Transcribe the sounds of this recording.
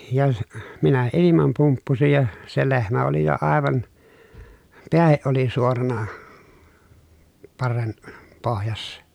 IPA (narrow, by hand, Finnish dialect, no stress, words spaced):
jɑ minæ ilimɑm pumpːusij jɑ se lehmæ oli jo ɑˑeʋɑn peæhiʔ ʔoli suorɑnɑ pɑrːen pohjɑsːɑ